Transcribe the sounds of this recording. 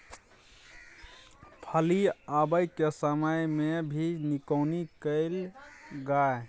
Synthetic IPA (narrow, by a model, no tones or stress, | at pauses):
pʰəliabəjkesəməjmebʱinikəʊnikəɪlɡae